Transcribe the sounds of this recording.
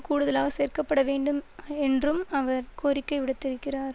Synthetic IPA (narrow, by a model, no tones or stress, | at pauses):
kuːɽɯðɐlaːɣɐseːrkɐpːɐɽɐʋeːɳɖɯmɛndrɯmɐʋɐɾkoːɾɪkːɐɪʋɪɽɐt̪ːɪɾɯkːɪraːɾ